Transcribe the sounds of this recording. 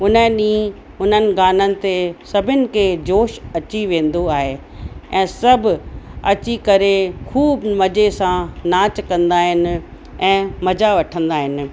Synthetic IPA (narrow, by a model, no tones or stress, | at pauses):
ʊnəɗĩː | ʊn̤ənɪ̆ɡaːnənɪ̆t̪esɐbʱɪnɪ̆kʰeːd͡ʑoːʃɐt͡ɕiʋẽːn̆d̪oaːɦe | ɛ̃ːsɐbʱɐt͡ɕikɐɾekʰuːbmɐd͡ʑesãnaːt͡ɕkɐ̃nd̪aːɦɪn | ɛ̃ːmɐd͡ʑaʋɐʈʰə̃nd̪aːɦɪn̆